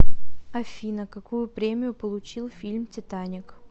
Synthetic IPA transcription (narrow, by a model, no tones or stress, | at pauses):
ɐfʲinəkɐkujʊpɾʲemʲɪjʊpəlˠʊt͡ɕilˠfʲilʲmtʲɪt̪anʲɪk